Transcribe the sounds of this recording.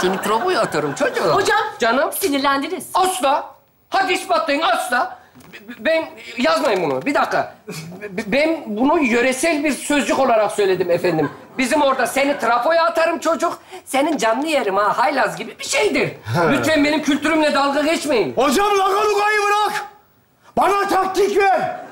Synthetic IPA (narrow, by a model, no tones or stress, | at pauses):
senit̪ʰɾapojaat̪ʰaɾɯmt͡ʃʰod͡ʒukhod͡ʒamd͡ʒanɯmsinilʲænd̪iniz̥asd̪a | had̪isbat̪lˠajɯnasd̪a | bɛnjazmajɯmunṵbid̪akʰːa̰ | bɛnbunujø̞ɾɛsɛlʲbiɾsø̞zd͡ʒyko̞lˠaɾaksø̞jlʲe̞d̪imɛfænd̪im | bizimo̞ɾd̪ase̞nit̪ʰɾafo̞jaːt̪ʰaɾɯmt͡ʃʰo̞d͡ʒukse̞nind͡ʒanlˠɯjeɾimahajlʲazɟibibiʃejd̪iɾlʲyt̪fɛnbe̞nimcʰylʲt̪ʰyɾymlʲɛd̪alˠɡaɡɛt͡ʃme̞jimhod͡ʒamlˠaɡalˠuɡajɯbɯɾak | banat̪ʰak̚t̪ʰikvɛ